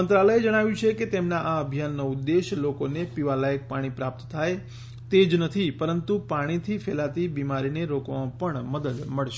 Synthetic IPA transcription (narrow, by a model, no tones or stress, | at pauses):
ənt̪ɾaləjed͡ʒəɽ̃aʋjũt͡ʃʰeket̪emnaʔaəbʱijanːəʊd̪ːeʃlokonepiʋalajək̚paɽ̃ipɾap̚t̪t̪ʰaj | t̪ed͡ʒnət̪ʰipəɾənt̪upaɽ̃it̪ʰifʰelat̪ibimaɾineɾokʋãpəɳməd̪əd̪məɭʃe